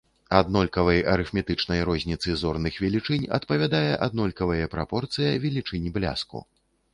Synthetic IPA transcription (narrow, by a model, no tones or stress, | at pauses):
ad̪nɔlʲkɐvɐjɐɾɨfmʲɛt̪ɨt͡ʂnɐjɾɔzʲnʲit̪sɨzɔrnɨxvʲɛlʲit͡ʂɨnʲɐ̰t̪pɐvʲad̪ajɛʔad̪̚nɔlʲkɐvɐjɛpɾapɔrt̪sɨjɐvʲɛlʲit͡ʂɨnʲiblʲa̰skṵ